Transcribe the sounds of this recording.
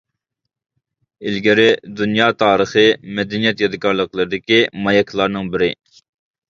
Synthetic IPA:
ɪlɡʲɪɾɪd̪unjɑːt̪ʰɑːɾəχɨmɛd̪ɛnijɛt̪jɑd̪ɨkɑɾlˠəqlˠəɾɪd̪ɪkʲimɑjɛkʲʰlˠɑɾnɨŋbɪɾɪ

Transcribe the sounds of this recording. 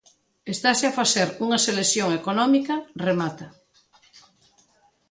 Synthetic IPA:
est̪aseafasθeɾuŋɐseleθjoŋekonɔmikɐremat̪a

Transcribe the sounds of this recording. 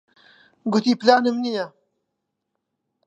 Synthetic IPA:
ɡʊt̪iplaːnɐmnija

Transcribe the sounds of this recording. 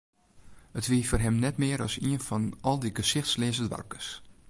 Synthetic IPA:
ətʋiəforɦɛmnɛtmɪːəɾɔsiənfɔnɔlˠdiɡəsɪxtslɪːzədʋa̰rkə̥s

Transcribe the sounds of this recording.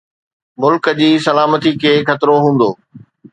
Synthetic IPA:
mʊlkəd͡ʑiːsɐlaːmət̪ikʰeːkɐt̪ɾoɦũːn̆d̪oː

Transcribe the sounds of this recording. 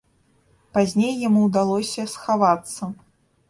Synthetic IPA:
pazʲnʲejːamuwd̪alˠɔsʲɐsxavat̪sːɐ

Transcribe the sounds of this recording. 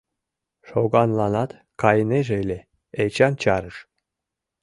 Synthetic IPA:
ʃoɡɑnlˠɑnɑt̪ | kɑjəneʒejlʲe | et͡ɕɑnt͡ɕɑɾɯʃ

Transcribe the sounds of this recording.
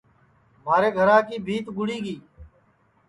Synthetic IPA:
maːɾeːɡʱəɾãːkiːbʱiːt̪ɡʊɽiːɡiː

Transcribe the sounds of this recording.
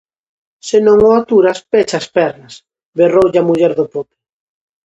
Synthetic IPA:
senõŋoat̪uɾaspet͡ʃaspɛɾnas | berowʎamuʎɛɾðʊpopɪ̥

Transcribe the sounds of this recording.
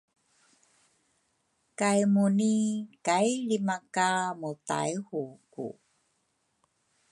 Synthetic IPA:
kajmunikajɭimakamuta̰jhukṵ

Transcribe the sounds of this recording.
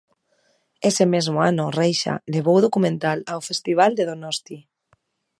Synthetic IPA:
esemezmoanorejʃa̰leβ̞owð̞okumẽnt̪alawfest̪iβ̞ald̪eðonɔst̪i

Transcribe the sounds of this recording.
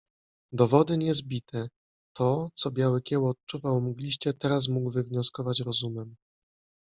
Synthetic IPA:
d̪ɔvɔd̪ɘɲɛzbʲit̪ʰɛ | t̪ʰɔt̪sɔbʲjawɘkʲɛwɔːt̪̚t͡ʂuvawmuɡlʲiɕt͡ɕɛt̪ɛɾas̬muɡwvɘvɲɔskɔvat͡ɕɾɔzumɛm

